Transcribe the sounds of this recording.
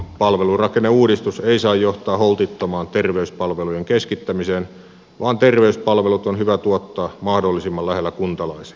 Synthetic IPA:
pɑlʋelurɑkenːeuːdist̪useisɑːjjoht̪ɑːholt̪it̪ːomɑːnt̪erʋeyspɑlʋelujeŋkeskit̪ːæmiseːn | ʋɑːnt̪erʋeyspɑlʋelut̪onhyʋæt̪uot̪ːɑːmɑhdolːisimːɑllæhelːækunt̪ɑlɑisi̥

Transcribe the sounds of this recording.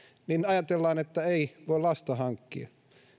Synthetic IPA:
ninɑjɑt̪elːɑːnet̪ːæeiʋoˑilɑst̪ɑhɑŋkːḭɑ

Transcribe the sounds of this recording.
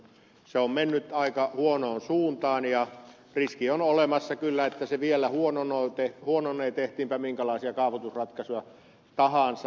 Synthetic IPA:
seommenːyt̪ɑikɑhuonoːnsuːnt̪ɑːnjɑ | riskionolemɑsːɑkylːæet̪ːæseʋielˑæhuononoit̪ehhuononːˑeːt̪eht̪iːmpæmiŋkælɑˑisiɑkɑˑuʋut̪usrɑt̪kɑsujɑ | t̪ɑhɑnsɑ

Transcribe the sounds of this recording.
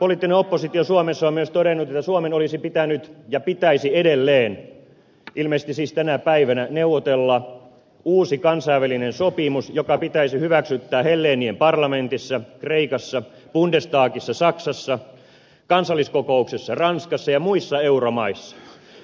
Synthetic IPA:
poliːˑt̪ːineopːosit̪iosuomesːɑommyøst̪oɾenːut̪et̪ːæsuomenolisipit̪ænyt̪jɑpit̪æisiedelːeːn | ʔilmest̪isiːst̪ænæpæiʋænæneuʋːˑot̪elːɑ | uːsikɑnsɑiʋælinensopimusjokɑpit̪æisihyʋæksyt̪ːæːhelːeːniempɑrlɑment̪isːɑkreikɑsːɑ | b̥undest̪ɑːkisːɑsɑksɑsːɑ | kɑnsɑlːˑiskokouksesːɑrɑnskɑsːɑjɑmuisːɑeuromɑisːɑ̥

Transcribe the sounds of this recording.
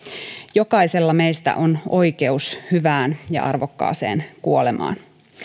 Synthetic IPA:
jokɑise̞lːɑmeist̪æ̰ʔono̞ike̞ushyʋæːnjɑ̰ʔɑ̰rʋokːɑ̰ːse̞̰ːnkuolemɑ̰ːn

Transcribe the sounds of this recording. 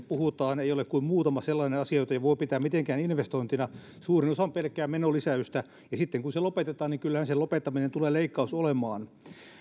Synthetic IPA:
puhut̪ɑːneijolekkuimmuːt̪ɑmɑselːɑinenɑsiɑjot̪ɑiʋoipit̪æːmmit̪eŋkæːninʋest̪oint̪inɑ | suːrinosɑmpelkːˑæːmmenolisæyst̪æ | jɑsit̪ːeŋkunselopet̪et̪ɑːniŋkylːæhænselopet̪ːɑminent̪uleːleikːɑusolemɑːn

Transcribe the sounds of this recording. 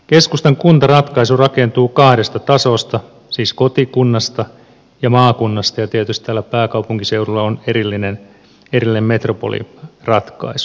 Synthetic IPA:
keskust̪ɑŋkunt̪ɑrɑt̪kɑisurɑkent̪uːkɑhdest̪ɑt̪ɑsost̪ɑ | siːskot̪ikunːɑst̪ɑ | jɑmɑːkunːɑst̪ɑjɑt̪ieət̪yst̪t̪æːlːæpæːkɑwpuŋkiseurulːɑoneɾilːinen | erilːinemmet̪ropo̰lḭrɑt̪kɑ̰isu̥

